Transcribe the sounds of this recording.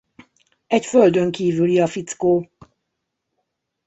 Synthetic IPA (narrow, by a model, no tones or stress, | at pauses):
ɛcføld̪ø̞ŋkiːvyliɒfit̪skoː